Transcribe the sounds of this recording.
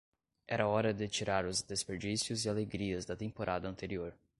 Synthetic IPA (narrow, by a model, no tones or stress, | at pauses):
ɛɾɐɔɾɐd̪ɪt͡ʃiɾaɾʊzd̪espeɾd͡ʒisjʊzɪaleɡɾiɐzd̪ɐt̪ẽpoɾʔad̪ɐɐ̃nt̪eɾioɾ